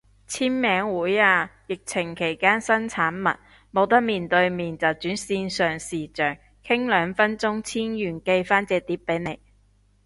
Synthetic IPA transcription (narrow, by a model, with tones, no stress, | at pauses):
t͡sʰiː˥nmɛː˨˥ŋwuː˨˥jaː˧jɪ˨k̚t͡sʰɪ˨˩ŋkʰe˨˩jkaː˥nsɐ˥nt͡sʰaː˨˥nmɐ̰˨t̚ | mo˨˧wt̪ɐ˥k̚miː˨˩nt̪ɵ˧ɥmiː˨nt͡sɐ˨˩wt͡syː˨˥nsiː˧nsœː˨˩ŋsiː˨˩t͡ʃœː˨ŋ | kʰɪ˥ŋlœː˨˧ŋfɐ˥nt͡ʃʊ˥ŋt͡sʰiː˥njyː˨˩nke˧jfaː˥nt͡sɛː˨˧t̪iː˨˥p̚pːe˨˥jne˨˧j